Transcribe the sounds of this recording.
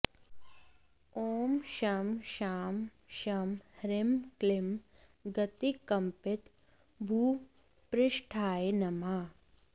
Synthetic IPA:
oːmʃɐmʃaːm | ʃɐmhɾɪmklɪm | ɡɐt̪ikɐmpɪt̪ | bʱuː | pɾɪʃʈʰaːenɐmaː

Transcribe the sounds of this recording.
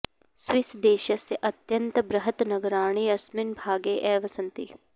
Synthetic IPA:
sʋɪsd̪eːʃɐseʔɐt̪jɐnt̪bɾɐɦət̪nɐɡəɾaːɳ̃iːɐsmɪnbʱaːɡeːʔɛːʋɐsɐ̃nt̪ḭ

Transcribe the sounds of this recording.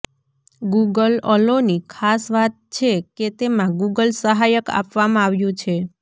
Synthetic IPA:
ɡuɡəlɔlonikʰasʋat̪̚t͡ʃʰeket̪emãɡuɡəlsəɦajəka̰pʋamãaʋjũt͡ʃʰe

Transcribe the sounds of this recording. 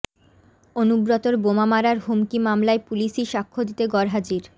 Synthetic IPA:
onubɾot̪oɾbomamaɾaɾɦumkimamlaepuliʃiʃakʰːod̪it̪eɡɔɾɦad͡ʑiɾ

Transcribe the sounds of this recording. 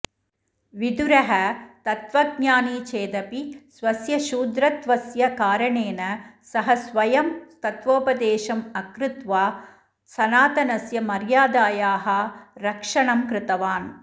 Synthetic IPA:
ʋid̪uɾɐɦɐt̪ɐt̪ʋɐɡɲaːnit͡ʃeːd̪ɐpisʋɐsjɐʃuːd̪ɾɐt̪ʋɐsjɐkaːɾɐɳeːnɐsɐɦɐsʋɐjɐmt̪ɐt̪ʋoːpɐd̪eːʃɐmɐkɾɪt̪ʋaː | sɐnaːt̪ɐnɐsjɐmɐɾjaːd̪aːjaːɦɐɾɐkʂɐɳɐmkɾɪt̪ɐʋaːn

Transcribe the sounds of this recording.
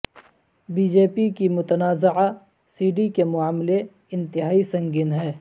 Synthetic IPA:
biːd͡ʒeːpikimʊt̪ənaːzɪʕa | siːɖikemʊaːmle | ɪ̃nt̪ɪɦaːisɐ̃ŋɡiːnɦɛː

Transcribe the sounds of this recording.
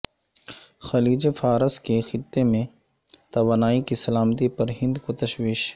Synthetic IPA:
xɐliːd͡ʒefaːɾəskexɪt̪ːemẽ | t̪ɐʋaːnaːikisɐlaːmt̪ipɐɾɦɪ̃nd̪kot̪ɐʃʋiːʃ

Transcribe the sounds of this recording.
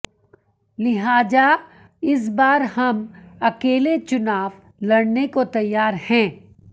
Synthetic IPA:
lɪɦaːd͡ʒa | ɪs̬baːɾhɐmɐkeːlet͡ʃʊnaːʋ | lɐɽnekot̪ɐjːaːɾhɛ̃ː

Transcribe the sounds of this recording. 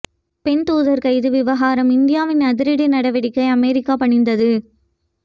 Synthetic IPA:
pɛnt̪uːðɐɾkɐɪðɯʋɪʋɐɣaːɾɐmɪnd̪ɪjaːʋɪnɐðɪɾɪɽɪnɐɽɐʋɪɽɪkːɐɪɐmɛɾɪkːaːpɐɳɪnd̪ɐðɯ

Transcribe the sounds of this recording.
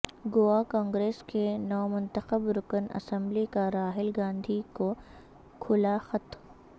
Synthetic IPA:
ɡʊakãːŋɡɾeːskenɔːmʊ̃nt̪əxəbɾʊkənɐ̰sə̃mblikaɾaːɦɪlɡãːnd̪ʱiko | kʰʊlaxɐt̪

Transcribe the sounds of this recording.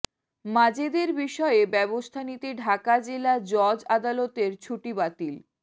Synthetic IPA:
mad͡ʑed̪eɾbiʃɔebɛbost̪ʰanit̪eɖʱakad͡ʑelad͡ʑɔd͡ʑad̪alot̪eɾt͡ɕʰuʈibat̪il

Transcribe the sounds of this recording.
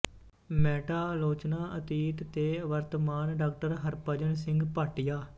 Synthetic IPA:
mɛːʈaːloːt͡ʃnaːʔət̪iːt̪t̪eːʋəɾt̪əmaːnɖaːk̚ʈəɾɦəɾpəd͡ʒənsɪ̃ŋɡpaːʈijaː

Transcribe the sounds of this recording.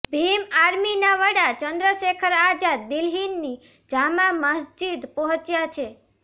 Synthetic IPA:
bʱimaɾminaʋəɽat͡ʃənd̪ɾəʃekʰəɾad͡ʒad̪ɪlɦinːi | d͡ʒamãməsd͡ʒid̪pɔɦə̃t͡ʃjat͡ʃʰe

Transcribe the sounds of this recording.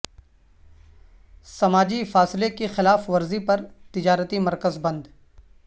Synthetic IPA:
sɐmaːd͡ʒifaːslekexɪlaːfʋɐɾzipɐɾt̪ɪd͡ʒaːɾət̪imɐɾkəzbɐ̃nd̪

